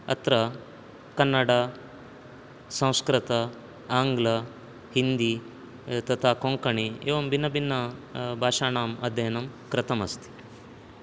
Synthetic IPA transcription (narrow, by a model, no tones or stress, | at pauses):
ɐ̰t̪ɾɐ | kɐnːɐɽaː | sɐ̃w̃skɾɪt̪ɐ | aːŋɡlɐ | hind̪i | t̪ɐt̪ʰaːkoŋkɐɳieːʋɐmbinːɐbinːɐbʱaːʂaːnaːmɐd̪ʱjɐjɐnɐmkɾɪt̪ɐmɐ̰st̪ʰi̥